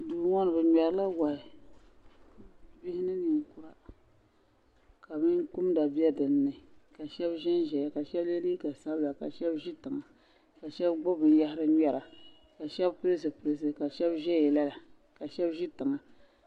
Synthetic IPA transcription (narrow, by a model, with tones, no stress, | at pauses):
duː˨ŋɔ˦nɨ˨bɨ˨ɲɛ˨ɾla˦ɡa˨ɪ˨ | bi˦hɪ˦nɨ˦ni˨ŋ˨ku˨ɾa˦ | ka˨bɨ˦nku˦mda˨bi˦ɛ˦dɨ˨nː˦ɨ˨ka˨ʃɛ˦bʒɛ˦n˦ʒɛ˨ja˨ka˨ʃɛ˦bɛ˦li˦ka˨sa˦bla˨ka̰˨ʃɛ˦bʒi˦tɨ˨ŋa˨ | ka˨ʃɛ˦bɡ͡bʊ˦bɨ˨n˦ja˦hɪ˦ɾɨ˦ɲɛ˦ɾa˨ | ka˨ʃɛ˦bpɨ˦ɾɨ˦s̬ɨ˨pɨ˨ɾɨ˦s̬ɨ˨ka˨ʃɛ˦bʒɛ˦jɛ˨la˦la˨ | ka˨ʃɛ˦bʒi˦tɨ˨ŋa˨